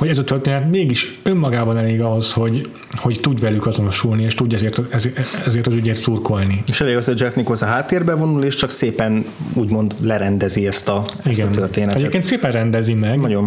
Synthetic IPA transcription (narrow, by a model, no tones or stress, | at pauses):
hoɟɛzɒt̪ørt̪eːnɛt̪meːɡiʃø̞mːɒɡaːbɒnɛleːɡɒɦo̞sho̞ɟ | ho̞ct̪uɟʋɛlykɒzo̞no̞ʃulnieːʃt̪uɟːɛzeːrt̪ɛzɛzeːrt̪ɒzyɟeːrt̪surko̞lnieʃɛleːɡɒsod͡ʒɛfnikoszɒɦaːt̪ːeːrbɛvo̞nuleːʃt͡ʃɒkseːpɛnuːɟmo̞nd̪lɛɾɛnd̪ɛziɛst̪ɒisɡɛnørt̪eːnɛɛɟeːkeːnt̪seːpɛnrɛnd̪ɛzimɛɡnɒɟon